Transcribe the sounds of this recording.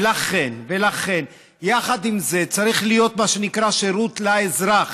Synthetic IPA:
laχe̞nve̞laχe̞n | jaχad̪imze̞t͡saʁiχlijo̞t̪maʃe̞nikʁaʃe̞ɾut̪laezʁaχ

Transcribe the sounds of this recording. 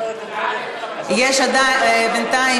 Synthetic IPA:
jeʃad̪abɪnt̪ai

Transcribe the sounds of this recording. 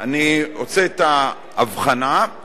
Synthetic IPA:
aniot͡seet̪aː | vχana

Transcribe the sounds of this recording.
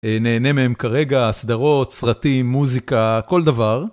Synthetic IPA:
ene̞ːne̞mehemkaʁe̞ɡaːsd̪aʁo̞t̪sʁatimːuzikako̞ld̪avaʁ

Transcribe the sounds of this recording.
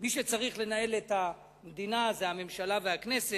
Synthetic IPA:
miʃet͡saʁiχle̞nae̞let̪a | med̪inazeame̞mʃalaveaknese

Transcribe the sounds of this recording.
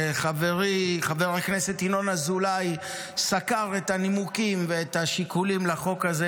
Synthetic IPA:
χaveʁiχaveʁakne̞set̪ino̞nazulaj | sakaʁet̪animukimveet̪aʃikulimlaχo̞kaze

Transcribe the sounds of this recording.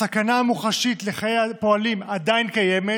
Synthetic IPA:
sakanamuχaʃit̪le̞χajejapo̞alimad̪ajnkajeme

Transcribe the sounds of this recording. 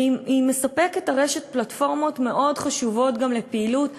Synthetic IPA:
imesape̞ketaʁeʃet̚platfo̞ʁmo̞tme̞ʔo̞dχaʃuvo̞tɡamlepeilut

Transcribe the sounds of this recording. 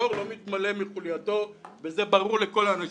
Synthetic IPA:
oʁlo̞mit̪male̞miχuljato̞vezebaʁuʁle̞ko̞laːna

